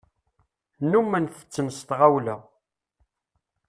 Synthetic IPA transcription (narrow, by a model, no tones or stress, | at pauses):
numːænθə̥t͡sːənst̪ʁawlæ